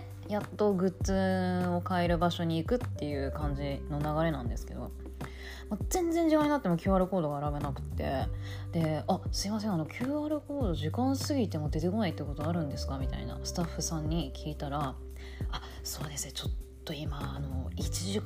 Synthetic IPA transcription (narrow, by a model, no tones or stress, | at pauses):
jat̪ːo̞ɡɯ̟t͡sɨo̞kaeɾɯ̟baɕo̞ɲ̟iːkɯ̟t̪ːe̞jɯ̟ːkãɲ̟d͡ʑino̞naɡaɾe̞nãnd̪e̞sɨ̥ke̞̰d̪o̞̰ | mozẽ̞nd͡zeɲ̟d͡ʑikãɲinat̪ːemo̞kʲɨ̟ːaɾɯ̟ko̞ːd̪o̞ɡaːɾabe̞nakɯ̟̥t̪ːe̞̰ | d̪e̞asɨimas̬ẽ̞ano̞kʲʰɨːaɾɯ̟ko̞ːd̪o̞ʑikãɰ̃sɨɡʲit̪e̞mo̞d̪e̞t̪e̞ko̞nait̪ːekot̪oaɾɯ̟̃nd̪e̞sɨ̥kamʲit̪a̰ḭna̰sɨ̥t̪aɸːɯsãɲ̟ːikʲʰiːt̪aɾa | a | soːd̪e̞sɨet͡ɕo̞t̪ːo̞imaːno̞it͡ɕiʑi